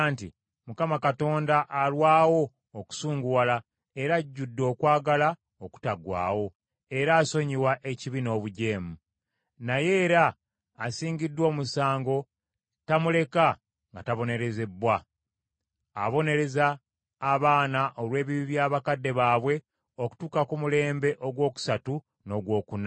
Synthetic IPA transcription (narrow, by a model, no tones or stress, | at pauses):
anti | mukamakato̞ːndaʔalwaːwo̞ː | ku̥suːŋɡuwala | e̞ɾaɟːudːo̞ːkwaːɡala | o̞ku̥taɡwa̰ːwo̞ | e̞ɾaːso̞ɲiwaʔe̞ciβino̞ːβuɟe̞ːmu | naje̞ːɾaː | siːɲɟidːwo̞ːmusaːŋɡo̞ | tamule̞ka | ŋɡataβo̞ne̞ɾe̞ze̞bwa | a̰βo̞ne̞ɾe̞zaː | βaːnaʔo̞lwe̞ːβiβiβjaːβakadːe̞βaːβwe̞ | o̞ku̥tuːkakumule̞ːmbe̞ʔo̞ɡwo̞ːku̥satu | no̞ɡwo̞ːkuna